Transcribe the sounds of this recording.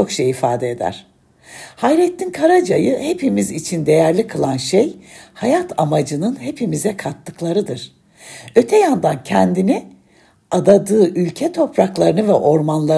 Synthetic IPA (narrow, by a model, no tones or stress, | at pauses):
o̞kʃejifaːd̪ɛed̪æ̰ɾ̥ | hajɾɛt̪ʰːinkʰaɾad͡ʒajɯhe̞pimizit͡ʃʰind̪e̞jæɾlʲikʰɯlˠanʃejhajat̪ʰamad͡ʒɯnɯnhe̞pʰimizɛkʰat̪ːɯklˠaɾɯd̪ɯɾ̥ | ø̞t̪ʰɛjand̪ancʰɛnd̪ini | ad̪ad̪ɯːʔylʲcʰɛt̪ʰo̞pɾaklˠaɾɯnɯvɛʔo̞ɾmanlˠa